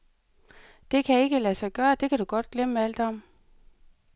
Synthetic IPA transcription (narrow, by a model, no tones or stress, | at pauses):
d̥e̝kʰæe̝ɡ̥əlæsɑ̈ɪɡ̥ɶːɐd̥e̝kʰæɾ̥uɡ̥ɒ̽d̥̚ɡ̥leməæld̥ɒm